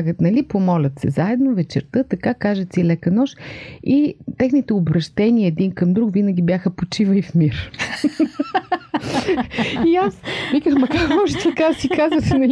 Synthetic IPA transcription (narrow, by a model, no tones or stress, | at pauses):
ɡət̪nɐlipomɔlʲɐt̪sɛzaɛd̪novɛt͡ʃɛ̰ɾt̪ɤt̪ɐkakaʒɛt̪silɛkɐnɔʃit̪ɛxnit̪ɛobɾɐʃt̪ɛniəɛd̪inkɐmd̪ɾukvinɐɡʲibjaxəpot͡ʃivəifmiɾ | iasvikəxmɐkaɾmɔʒɛt̪ʰəkaɾsikazvɐsinɐ